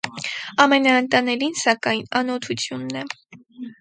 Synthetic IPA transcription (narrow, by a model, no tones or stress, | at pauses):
ɑmɛnɑənt̪ɑnɛlinsɑkɑjnɑnɔt̪ʰut͡sʰjunːɛ